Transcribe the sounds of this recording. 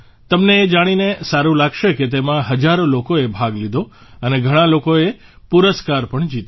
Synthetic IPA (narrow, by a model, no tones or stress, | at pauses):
t̪əmneːd͡ʒaɽ̃inesaɾũlaɡʃeket̪̬emãɦəd͡ʒaɾolokoebʱaɡlid̪ʱo | əneɡʱəɽ̃ãlokoe | puɾəskaɾpəɳd͡ʒit̪